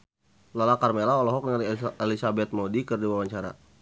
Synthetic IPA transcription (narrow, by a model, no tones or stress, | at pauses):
lalakarmelaɔlɔɦɔknalielisabɛt̪̚mɔdikərdiwawaɲt͡ʃaɾa̰